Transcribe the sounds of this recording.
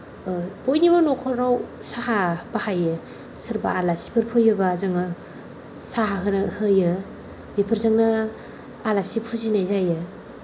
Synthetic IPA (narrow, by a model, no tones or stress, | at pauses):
bojnibanɔkʰɔɾaw | sahabahajɯ | sɯɾba̰alasi̥pʰɯɾpʰɯjɯbazɯŋɯ | saɦaɦɯnɯhɯjɯ | bipʰɯɾzaŋna | alasipʰuzinajzajɯ